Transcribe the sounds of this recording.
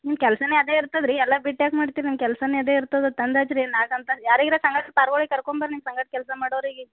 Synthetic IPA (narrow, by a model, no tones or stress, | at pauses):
nimkɛlɐsɐneːɐd̪e̞ːiɾt̪ɐd̪ɾiɛlːɐbiʈːjaːkmaːɽt̪iːɾnimkɛlsɐneɐd̪e̞ːiɾt̪ɐd̪ut̪ɐnd̪aːt͡ʃɾinaːɡɐnt̪ɐjaːɾiɡiɾesɐŋɡɐʈɐpaːɾɡoɭikɐɾkoɳbaːɾniːmsɐŋɡɐʈkɛlsɐmaːɽoʋɾuiːɡe